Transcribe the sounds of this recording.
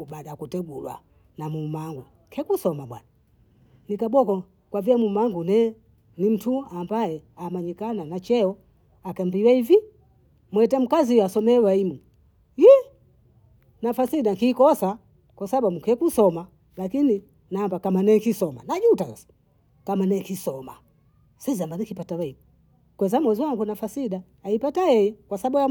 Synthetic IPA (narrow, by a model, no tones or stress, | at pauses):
ubadakutɛɡulwa̰ | namumaŋɡu | kʰɛkusɔmaɓwa̰na | nikaɓɔkɔ | kwaviamumaŋɡunɛ | nim̩tʰuambajɛamaɲikananat͡ʃɛɔ | akambiwaivi | mwɛtam̩kaziasɔmɛwaimu | jɛ | nafasiɗaŋkikɔsa | kwasaɓam̩ukɛkusɔma | lakini | naːmbakamanɛkisɔma̰nad͡ʒutasasḁ | kamanɛkisɔma | sɛzambanikipatawɛi | kwɛzamwɛziwaŋɡunafasiɗaːipatajɛjɛkwasaɓuja